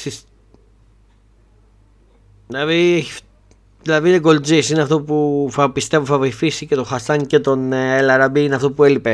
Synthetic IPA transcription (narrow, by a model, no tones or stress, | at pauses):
sis | lɐðiei | ðilɐðineɡo̞ld͡zisineɐft̪o̞puθɐpist̪e̞vuθɐvojfisice̞t̪o̞xɐsɐŋce̞t̪o̞nelɐɾɐbiineɐft̪opue̞lipe